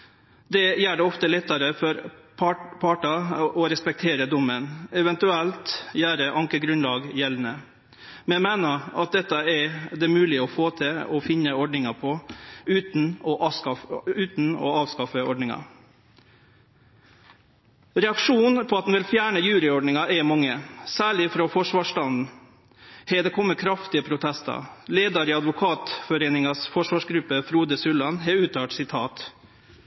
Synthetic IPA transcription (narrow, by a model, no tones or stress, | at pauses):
d̪ɛjæːɖɛɔft̪əlɛt̪ːɑɾəfɔɾpʰpʰɑʈɑʔɔɾɛspɛk̚t̪ʰeːɾəd̪ʊmːənɛʋɛnt̪ʉɛlt̪jæːɾəʔɑŋkəɡɾʉnlɑːɡjɛln̩ə | mɛmæːnəɾɑt̪̚d̪ɛt̪ːɑɛd̪ɛmʉːlɪəɔfoːt̪ʰɪɔfɪnːəɔɖɳɪŋɑpʰɔʉːt̪n̩ɔʔɑʉːt̪n̩ɔ̰ɑːʋskɑfəɔɖɳɪŋɑ̰ | ɾɛɑkʂuːnpʰɔːɑt̪̚d̪n̩ʋɪlfjæːɳəjʉːɾɪɔɖɳɪŋɑʔɛmɑŋːəsæːɭɪfɾoːfɔʂʋɑːʂtɑnd̪n̩ | hɛːd̪ɛkʰɔmːət̪kʰɾɑft̪ɪəpʰɾʊt̪ʰɛst̪ɑ̰leːd̪ɑɾɪːɑd̪ʋʊkʰɑːt̪fɔɾeːnɪŋɑsfɔʂʋɑːʂɡɾʉpːəfɾuːd̪əsʉlːɑnɦɛʉːt̪ʰɑːʈsɪt̪ʰɑːt̪